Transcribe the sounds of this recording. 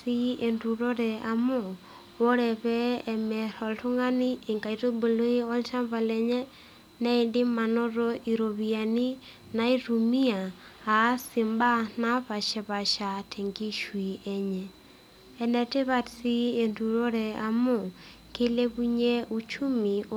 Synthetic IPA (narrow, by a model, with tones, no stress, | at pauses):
ie˨ndu˨ɾo˦ɾɛʔa˨mo˦˨ | βo˦ɾɛ˨βɛːmɛ˨ɾɔ˨ltu˦ŋa˦ni˦e˨ŋɡa˨i˨ɾo˦bu˨lo˦i˦o˦lʃa˦mba˨lɛ˨ɲɛ˦ | na˦i˨ndi˦ma˨no˦ɾoʔi˨ɾo˨βia˨ni˦ | na˦iɾumi˦aː˨˦ | si˨mba˦na˦βa˨ʃe˨βa˨ʃa˨tʰe˨ŋɡi˦ʃwi˨ʔe˦ɲɛ | e˨nɛ˨te˦βa˨ti˦e˨ndu˨ɾo˦ɾɛa˨mo˦˨ | ke˦le˦βu˦ɲe˦ʔu˦t͡ʃu˦mi˨